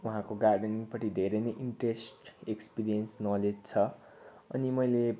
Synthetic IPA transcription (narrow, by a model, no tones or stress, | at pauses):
uɦãkoɡarɖniŋpʌʈid̪ʱeɾejnejʔiɳʈresʈekspiɾijʌnsnʌled͡zt͡sʰʌ | ʌ̰nimʌjle